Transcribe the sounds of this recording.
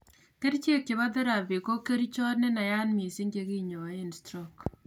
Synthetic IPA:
ke˦ɾt͡ʃe˦kːɪ˨βa˦dɪ˦ɾa˨bi˨ko˦ke˦ɾi˦t͡ʃɔ˦ne˦na˨ja˦nmi˨si˦ŋɡe˦ki˦ɲɔ˨a˨˦ɪ˦˨nstɾɔ˦k

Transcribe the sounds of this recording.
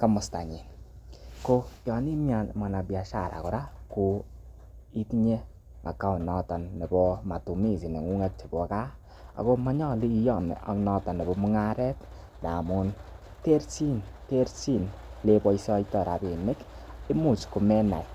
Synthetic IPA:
ka˦mʊ˨sta˨ɲi˨nko˦kjɔ˨ni˦mja˨ma˨na˨bja˨ʃa̰˦˨ɾʔa̰˨kɔ˨ɾa˦ku˧ | i˦tɲe˦ | ma̰˨kːa˦˨nɔ˦ta˨nːe˨bɔ˦ma˨tu˨mi˦˨si˨ne˨ŋu˦ŋe˦t̚t͡ʃi˨bɔ˨ka˦ | a̰˨ko˦ma˦ɲɔ˦li˦jɔ˦˨n̰˨a̰˨nɔ˧ta˨ne˨bɔ˨˦mu˦ŋa˦ɾɛ˦t | na˨mu˦n | te˦ɾsi˦nte˦ɾsi˦nle˦bɔ˦jsɔ˦itɔ˨ɾa˨bi˨mɪ˦kɪ˦mu˦˨t͡ʃku˨mɛ˦na̰˨j

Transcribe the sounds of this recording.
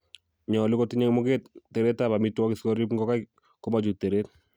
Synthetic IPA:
ɲɔ˨lɪ˦kɔ˦ti˦ɲɛ˦ŋmʊ˦kettːɛ˨ɾɛ˦tːaba˨mi˦tːwɔ˦kɪ˨skɔɾi˦pŋɡɔ˦ka˦j | kɔ˦mad͡ʒu˨tːe˨ɾet

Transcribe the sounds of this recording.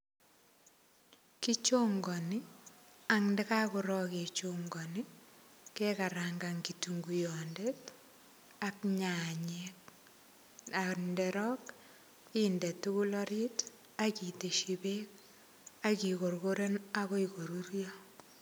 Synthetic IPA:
ki˦t͡ʃo˦ŋɡɔ˨ni˦ | a˨ŋndɛ˦ka˦kʊ˨ɾɔ˦ke˨t͡ʃoŋɡɔ˨ni˦kɛka˨ɾaŋɡa˨ŋki˨tuŋɡujɔndet | akɲa˨ɲek̚ | a˨ndɛ˨ɾɔ˦k | indɛ˨tuku˦lɔ˦ɾi˦t | a˦ki˨te˨ʃibe˦k̚ | a˦ki˨ko˨rkoɾe˦na˦ko˦iko˨ɾu˦ɾjɔ

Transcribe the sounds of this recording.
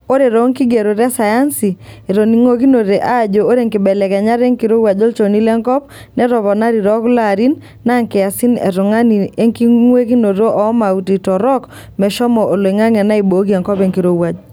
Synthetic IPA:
o˦ɾe˨ɾo˨˦ŋki˦ɡe˨ɾo˨ɾɛ˦sa˨ja˦nsi˨e˨ɾo˨ni˨ŋo˦ki˦no˨ɾe˨ʔa˦˨d͡ʒo˨o˦ɾe˨ŋkɪ˨bɛ˨lɛ˨kɛ˨ɲa˦ɾe˦ŋki˨ɾo˦wa˨d͡ʒo˦lt͡ʃo˨ni˦lɛ˦ŋkɔ˦p̚ | nɛ˦ɾɔ˨βɔ˨na˦ɾi˨ɾɔ˦kla˦˨ɾi˦nː | a˦ŋkɪ˨a˨si˦nɛ˨ɾʊ˨ŋa˦ni˨e˦ŋki˦ŋwe˦ki˦no˨ɾo˦ʔɔ˦ma˨u˨ti˨tɔ˨ɾɔ˦k | mɛ˨ʃɔ˦mɔ˨o˨lŋa˦ŋɛ˨na˦i˨bo˨˦ki˦ɛ˨ŋkɔ˦pe˦ŋki˨ɾo˦wa˨d͡ʒ

